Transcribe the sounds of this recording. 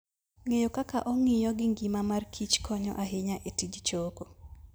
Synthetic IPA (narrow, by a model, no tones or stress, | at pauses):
ŋejokakaʔɔŋɪjɔɡɪŋɡimamarkʰit͡ʃkʰɔɲɔ̰ʔaɦɪɲaʔetid͡ʒt͡ʃoko